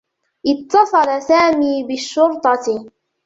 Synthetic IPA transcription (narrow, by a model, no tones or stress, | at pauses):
ʔɪt̪ːɑsˤɑlasaːmiːbɪʃːʊɾt̪ˤɑ